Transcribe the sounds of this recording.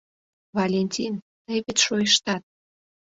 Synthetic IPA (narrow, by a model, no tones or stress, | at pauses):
βɑlʲenʲtʲin | t̪ejβet̪ʃojəʃt̪ɑt̪̚